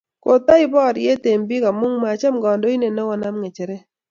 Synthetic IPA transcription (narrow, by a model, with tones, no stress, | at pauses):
ko˨t̪a˦ɪ˦bɔ˦˨ɾje˦te˨mbi˦ka˨mu˦ŋma˨t͡ʃa˦mɡɔ˨ndo˦i˦ne˨nɔ˦wɔ˦na˦mŋe˨t͡ʃe˨ɾe˦